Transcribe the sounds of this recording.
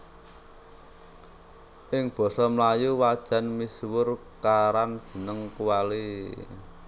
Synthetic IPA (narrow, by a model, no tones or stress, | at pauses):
ʔɪŋb̥ɔ̤sɔmlajuwad̥ʒ̥a̤nmiswʊr | kaɾand̥ʒ̥ə̤nəŋkuwali